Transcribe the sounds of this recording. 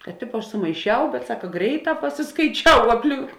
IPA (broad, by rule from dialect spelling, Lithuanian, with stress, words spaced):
kɐt ˈtʲɪpoː ˈɐʃ sʊmɐɪˈʃʲɛʊ bʲɛt ˈsɑːkɐ ˈɡrʲɛɪˌtɑː pɐsʲɪskɐɪˈt͡ʃʲɛʊ ɐpʲˈlʲɪŋk